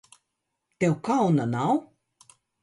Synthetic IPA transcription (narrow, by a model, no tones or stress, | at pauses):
t̪ɛwkawnanaw